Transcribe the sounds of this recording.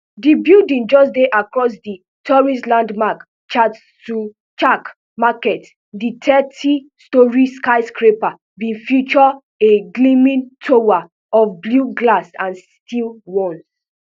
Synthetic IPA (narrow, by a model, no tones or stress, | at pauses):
dibildĩnd͡ʒɔsdeʔakɹɔs̬di | tʰɔɹislãndmak | t͡ʃads | tu | t͡ʃak | makɛt | ditʰɛtʰistɔɹiskaɪskɹepa | bĩfjut͡ʃɔ | eɡlĩmĩntʰowa | ɔfbluɡlasãns | tilwɔ̃ns